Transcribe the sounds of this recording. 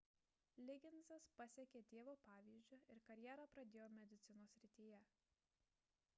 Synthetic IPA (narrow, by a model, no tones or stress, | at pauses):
lʲɪɡʲɪnzɐspɐsʲɛkʲeːt̪ʲeːʋoːpɑːʋʲiːzʲd͡ʒʲʊɪɾkɐɾʲjɛɾɐpɾɐd̪ʲeːjoːmʲɛd̪ʲɪt̪sʲɪnoːsʲɾʲɪt̪ʲiːjɛ